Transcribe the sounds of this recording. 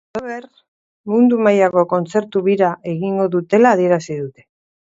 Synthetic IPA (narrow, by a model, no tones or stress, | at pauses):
oβer | mund̪umajako̞ko̞nt͡se̞ɾt̪uβiɾaʔe̞ɣiŋɡo̞ðut̪e̞laːð̞ie̞ɾasiðut̪e̞̥